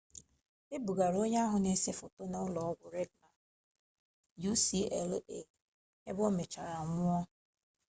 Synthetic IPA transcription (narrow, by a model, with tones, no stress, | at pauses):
ɪ˦bu˨ɡa˨ɾo˦ɲe˦a˦ɦʊ˨ne˦se˦fo˨to˦na˦ʊ˦lɔ˨ɔ˦ɡʷʊ˨ɾe˦dna˨ | ju˦si˦ɛ˨lḛ˨ | ḛ˦bɔ˦me˨t͡ʃa˨ɾa˨ŋʷʊ˦ɔ˦